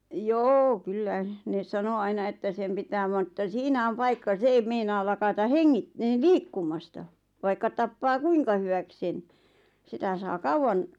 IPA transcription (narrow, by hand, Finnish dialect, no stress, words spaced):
joː kylːæ ne sɑno ɑinɑ etːæ sem pitæː ʋɑn ĕtːæ siːnæ om pɑikːɑ se eim meinɑːl lɑkɑtɑ heŋːit liːkːumˑɑstɑ ʋɑikːɑ tɑpːɑː kuiŋkɑ hywæk sen sitæ sɑː kɑuw̆ɑn